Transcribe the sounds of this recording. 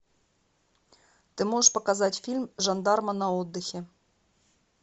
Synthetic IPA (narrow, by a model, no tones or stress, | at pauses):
t̪ɨmoʐəʂpɐkazatʲfʲilʲmʐɑnd̪ɑrmɐnɐod̪ːɨxʲe